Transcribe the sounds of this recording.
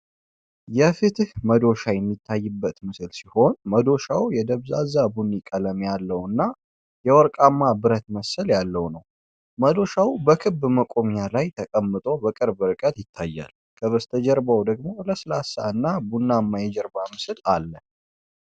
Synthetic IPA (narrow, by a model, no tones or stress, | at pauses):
jɛfɨt̪ɨhməd̪o̞ʃajɛmːit̪ʰːajːɨbːət̪mɨsɨlsiho̞nməd̪o̞ʃawjɛd̪əβzazabunːikʼələmjalːəwɨnːa | jɛwɔɾkʼamːabɨɾət̪məsəljalːəwnəw | məd̪o̞ʃawubəkʰɨbːməkʼo̞mɲalajt̪ʰəkʼəmːɨt̪ʼo̞bəkʼɨɾbɨɾɨkʼət̪jɪt̪ʰːajːa̰l | kʼʰəβəst̪ʰəd͡ʒɛɾbawd̪əɡmo̞ləslasaɨnːabunːamːajɛd͡ʒɛɾbamɨsɨlalːə